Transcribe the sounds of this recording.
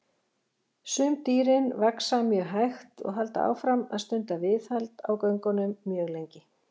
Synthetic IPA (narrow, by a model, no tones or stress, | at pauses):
sʏmt̪iːɾɪnvaksamjœːɣɦajxt̪ɔ̰ɣɦal̪t̪a̰a̰wfɾama̰ðst̪ʏnt̪avɪθhajlt̪a̰wkœɥŋkɔnʏmːjœːɣlejɲcɪ